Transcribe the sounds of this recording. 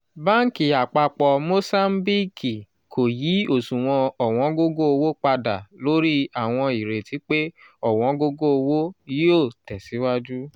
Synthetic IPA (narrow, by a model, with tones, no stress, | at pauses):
ba˦ŋ̩˨˦ki˨a˨k͡pa˧k͡pɔ˧mo˦sa˦m˦bi˦ki˨ | kʰo˨ji˨˦o˦˨sũ˨w̃ɔ̃˧ɔ˨w̃ɔ̃˨˦ɡo˦ɡo˦o˧wo˦k͡pa˧da˨lo˨˦ɾi˦a˨w̃ɔ̃˧i˨ɾe˨ti˨˦k͡pe˦ | ɔ˨w̃ɔ̃˨˦ɡo˦ɡo˦o˧wo˦ji˦o˦˨tɛ˨si˨˦wa˦d͡ʒu˦